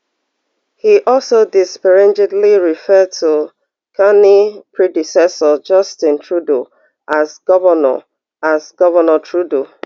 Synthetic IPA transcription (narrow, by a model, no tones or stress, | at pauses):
hiʔɔlsodispɛɹɛ̃nd͡ʒɛdliɹifɛd̚tʰu | kʰanipʰɹidisɛsəd͡ʒʌstɪ̃ntʰɹudo | ʔazɡɔvənɔ̰ | azɡɔvənətʰɹudo